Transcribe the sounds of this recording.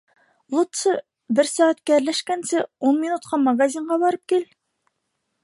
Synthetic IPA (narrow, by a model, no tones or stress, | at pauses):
lˠut̪sɤ | bɪɾsɑːæt̪kʲæɾlæʃkʲɛnsɘunminut̪̚qʰɑmɑɡɑzʲiɴʁɑbɑɾɤp̚kʲel